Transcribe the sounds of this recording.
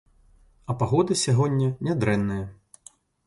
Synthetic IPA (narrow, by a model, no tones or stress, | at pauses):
ɐpaɣɔd̪ɨsʲaɣɔnʲːɐnʲad̪ɾɛnːɨjɐ